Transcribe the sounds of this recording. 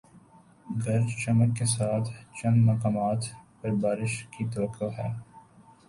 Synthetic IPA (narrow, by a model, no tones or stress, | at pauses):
ɡɐɾd͡ʒt͡ʃɐməkːesaːt̪ʰt͡ʃɐ̃nd̪mɐkaːmaːt̪pɐɾbaːɾɪʃkit̪ɐʋəkːoɦɛː